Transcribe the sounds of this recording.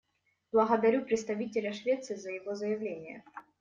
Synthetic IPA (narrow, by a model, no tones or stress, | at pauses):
b̥lˠɐɣɐd̪ɐɾʲupɾʲɪt̪st̪ɐvʲitʲɪlʲɐʂvʲet̪sɨzəjɪvozəjɪvlʲenʲɪjə̰